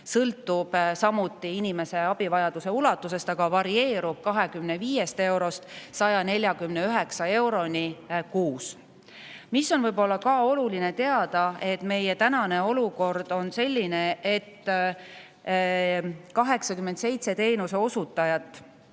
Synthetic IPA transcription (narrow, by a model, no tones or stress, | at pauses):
sɤlt̪ːˑub̥sɑmut̪ˑːiinʲime̞se̞ɑb̥ivɑjɑd̪̥use̞ulɑt̪ːˑuse̞st̪ɑɡ̥ɑvɑɾie̞ːɾub̥̚kɑɦe̞kymneviːje̞st̪e̞wɾo̞st̪sɑjɑne̞lʲjɑkymne̞yɦe̞ksɑe̞wɾo̞nʲikuːs | misːo̞nvɤjbo̞lːɑkɑo̞lulinet̪e̞ɑd̪̥ɑe̞t̪me̞jet̪ænɑne̞o̞luko̞rd̪̥o̞nse̞lʲːine̞et̪ː | kɑɦe̞ksɑkymːend̪se̞jt̪se̞t̪e̞ːnuse̞o̞sut̪ːˑɑjɑt̪ːˑ